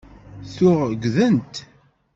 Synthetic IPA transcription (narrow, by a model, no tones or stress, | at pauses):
θʊʁɡʷðənt̪